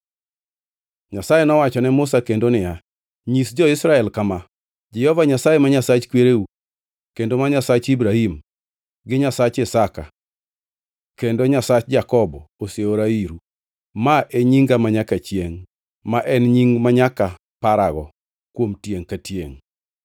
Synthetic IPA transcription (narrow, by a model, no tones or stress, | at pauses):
ɲasajenɔwat͡ʃɔnɛmʊsakendonɪja | ɲisd͡ʒɔɪsɾaɛlkama | d͡ʒɛɔvaɲasajɛmaɲasat͡ʃkweɾeu | kendomaɲasat͡ʃibɾahim | ɡɪɲasat͡ʃɪsaka̰ | kendoɲasat͡ʃd͡ʒakɔbɔoseoɾaiɾu | maʔeɲiŋɡamaɲakat͡ʃjeŋ | maʔɛnɲiŋmaɲaka | paɾaɡɔ̰ | kwomtjeŋkatjḛŋ